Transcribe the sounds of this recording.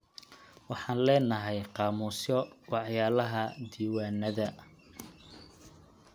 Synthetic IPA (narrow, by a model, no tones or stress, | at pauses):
wɑħɑːnlɛːnɐɦɛjqɑːmuːsjɔwɑħjaːlɐɦɐd̪iːwaːnːɐðɐ